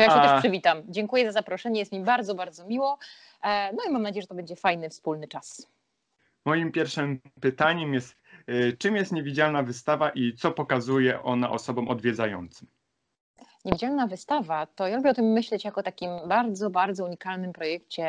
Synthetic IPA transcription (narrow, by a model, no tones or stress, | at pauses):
ɔjakʃɛɛʂʂɘvʲit̪amd͡ʑɛŋkujɛzazapɾɔʂɛɲɛjɛst̪mʲibaɾd̪zɔbaɾd̪zɔmʲiwɔ | nɔimamnad͡ʑejɛʐɛt̪ɔbɛɲd͡ʑɛfajnɘfspulnɘt͡ʂas | mɔjimpʲjɛɾfʂɘmpɘt̪aɲɛmjɛst̪t͡ʂɘmjɛst̪ɲevʲid͡ʑalnavɘst̪avaʔit̪sɔpɔkazujɛʔɔna̰ʔɔsɔbɔ̃mɔd̪vʲjɛd̪zajɔ̰nt̪sɨ̥m | ɲevid͡ʑalnavɘst̪avat̪ɔjalubʲjɛɔt̪ɘmːɘɕlɛt͡ɕjakɔt̪akʲimbaɾd̪zɔbaɾd̪zɔuɲikalnɘmpɾɔjɛkt͡ɕɛ